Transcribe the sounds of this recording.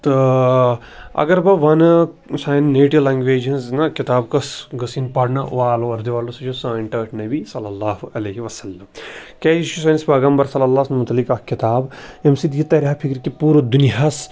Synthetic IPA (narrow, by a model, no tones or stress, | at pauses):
t̪ɨ | ɐ̰ɡɐɾbɐʋɐn | saːjnːeːʈiʋlaːŋɡʋeːd͡ʒɐnznɐkit̪aːbkɐsɡɐsinpɐɽnɐʔaːloɐɾd̪iʋaːlosɐd͡ʒʰosãːnʈɐːʈʰnɐbisɐlːɐlːaːɦuʔɐlɐɦiʋɐsɐlːɐmkeːiʃusɐːnispɐːɡambɐɾsɐlɐlːaːsnmut̪ɐlːikakit̪aːbemsid̪jit̪ɐɾʲaːpʰikɾkipuːɾɐd̪uniɦɐs